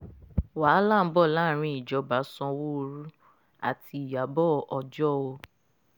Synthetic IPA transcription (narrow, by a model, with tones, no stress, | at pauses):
wa˨˦la˦˨m̩˦bɔ˦˨la˦ɾ̃ĩ˧i˨d͡ʒɔ˨˦ba˨˦sɔ̃˧wo˦˧ɾu˦ | a̰˨tʰi˧i˨ja˨bɔ˦˧ʔɔ˧d͡ʒɔ˦o˧